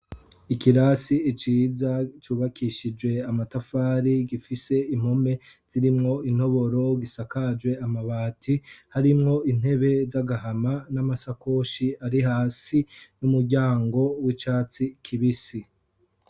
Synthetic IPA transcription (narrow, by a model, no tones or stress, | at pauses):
ikiɾasiːt͡ʃiːzat͡ʃuːβakʰiʃid͡ʒwe̞amatafaːɾiɡifise̞im̥home̞ | z̥iɾimŋo̞in̥ho̞βo̞ɾo̞ɡisakad͡ʒwe̞amaβaːtʰihaɾimŋo̞ʔin̥he̞βe̞zaɡahamanamasako̞ʃiaɾiɦaːsinumuɾɟaːŋɡo̞wit͡ʃaːt͡sikʰiβisi